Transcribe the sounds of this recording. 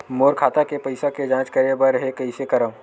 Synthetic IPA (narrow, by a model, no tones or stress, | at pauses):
moːɾkʰaːt̪akepɐɪsaked͡ʒãːt͡ʃkɐɾebəɾɦekɐisekɐɾə̃ʋ